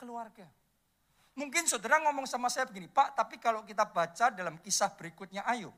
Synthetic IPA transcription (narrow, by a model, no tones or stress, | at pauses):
kəluarɡa | muŋkɪnsədaɾaŋɔmɔŋsamasajabəɡinipaʔt̪apikalokit̪abat͡ʃadalamkisahb̥əɾikʊt̪̚ɲaʔaju